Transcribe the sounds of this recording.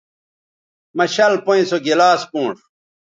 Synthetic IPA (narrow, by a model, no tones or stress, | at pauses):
mɐɕɐlpõĩsoɡilaːskũːʂ